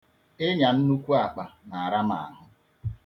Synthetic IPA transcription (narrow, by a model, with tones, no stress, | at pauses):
e˦ɲa˨n̩˦nu˦kʷu˦a˨k͡pa˨na˨a˨ɾa˦ma̰˨a˨ɦʊ˦